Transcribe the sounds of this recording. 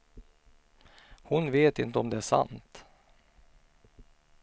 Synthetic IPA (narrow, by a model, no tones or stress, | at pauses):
hʊnveːt̪ɪnt̪əɔmd̪ɛæʂa̰nt̪